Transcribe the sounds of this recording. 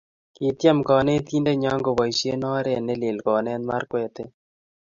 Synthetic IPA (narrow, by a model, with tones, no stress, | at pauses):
ki˨t̪ja˦mkɔ˨ne˦t̪i˦nde˦ɲa˦ŋɡo˨wa˨jsje˦nɔ˦ɾe˦˨ne˦le˨lkɔ˨nɛ˦nma˦ɾkwɛ˦˨te˦